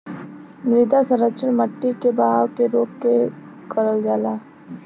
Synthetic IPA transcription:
mɾid̪asəɾət͡ʃəlməʈːikebaɦaːwkeɾoːkːe | kəɾəld͡ʒaːlaː

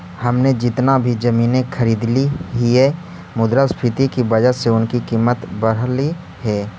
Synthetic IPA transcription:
hɐmned͡ʒɪt̪nabʱid͡ʒɐmiːnekʰəɾiːd̪liɦiɛ | mʊd̪ɾaspʰɪt̪ikibɐd͡ʒəseʊnkikiːmːət̪bəɽ̤li | ɦɛː

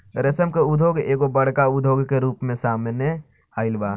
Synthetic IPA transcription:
ɾesəmkeʊd̪ʱoːɡeːkobɐɽ̤kaʊd̪ʱoːɡkeɾuːpmẽsaːmne | aːɪlbaː

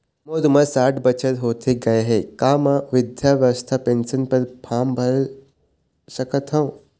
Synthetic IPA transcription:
mod̪uməsaʈbət͡ɕət̪ɦoːt̪ʰeɡɐjɦekamaʋid̪jaʋjəʋəst̪ʰapensənpəɾpʰambʱɐɾ | ɕəkət̪ɦãw

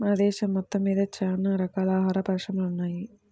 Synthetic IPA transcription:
aːd̪ɛːʃɐmːɔt̪ːɐmːiːd̪ɐt͡ʃaːnɐɾɐkaːlaːɦaːɾɐpɐɾʂɐmɐlunːaːji

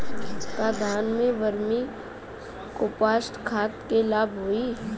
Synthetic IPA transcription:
kaːd̪ʱaːnmẽʋəɾmi | koːpaːsʈkʰaːt̪kelaːbʱɦoːiː

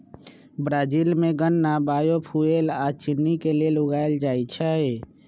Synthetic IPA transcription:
bɾaːd͡ʒilmẽɡənːabaːjopʰuelat͡ʃɪnːikelielʊɡaːeld͡ʒaːit͡ʃʰae

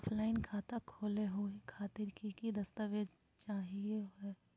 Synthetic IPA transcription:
pʰlaːɪnkʰaːt̪akʰoːleɦuekʰaːt̪ɪɾkikid̪ɐst̪əʋeːd͡ʒ | t͡ʃaːɦieeː

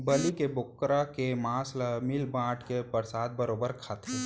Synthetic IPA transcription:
bɐlikebʊkːɾakemãːslamɪlbãːʈkepəɾsaːd̪̚bəɾoːbəɾkʰat̪ʰe

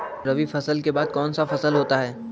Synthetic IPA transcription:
ɾɐʋifɐsəlkebaːd̪̚kɔːnsafɐsəlɦoːt̪aɦɛː

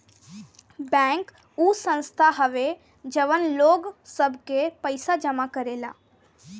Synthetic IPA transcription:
bɛ̃ːŋk | uːsə̃nst̪ʰaɦəʋe | d͡ʒəʋənloːɡsəbʱkepəɪsad͡ʒəmakəɾela̰ː

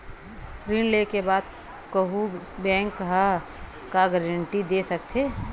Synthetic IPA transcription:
ɾinlekebaːd̪ | kəɦu | bɛ̃ːŋkɦə | kaɡɛɾəɳʈid̪esək̚t̪ʰe

